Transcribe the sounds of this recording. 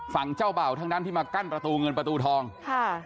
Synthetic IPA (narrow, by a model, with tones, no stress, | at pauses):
fa˨˩˦ŋt͡ɕa˥˩wba˨˩wt̪ʰa˦˥ŋdaː˥˩nt̪i˥˩maː˧ka˥˩npɾa˧t̪uː˧ŋɤ˧npɾa˧t̪uː˧t̪ʰɔː˧ŋkʰa˥˩